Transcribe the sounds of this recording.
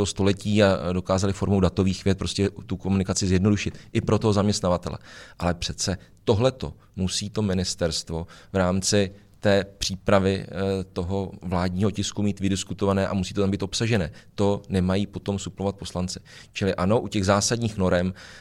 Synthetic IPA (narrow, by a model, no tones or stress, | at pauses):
ost̪o̞lɛciːado̞kaːzalɪfo̞ɾmowdat̪o̞viːxvjɛt̪̚pɾo̞scɛt̪uko̞munɪkat͡sɪzjɛdno̞duʃɪt̪ʔɪpɾo̞t̪oɦo̞zamɲɛst̪navat̪ɛlɛ̰ʔalɛpr̝̥ɛt͡sɛt̪o̞ɦlɛt̪o̰ | musiːt̪o̞mɪnɪst̪ɛɾst̪vo̞vɾaːmt͡sɪ | t̪ɛːpr̝̥iːpɾavɪ̰t̪o̞ɦo̞vlaːdɲiːɦo̞cɪskumiːt̪vɪdɪskut̪o̞vanɛːʔamusiːt̪oambiːt̪o̞psaʒɛnɛːt̪o̞nɛmajiːpo̞t̪o̞msuplovat̪̚po̞slant͡sɪ̥ | t͡ʃɪlɪʔano̞ʔucɛɣzaːsadɲiːxno̞ɾɛm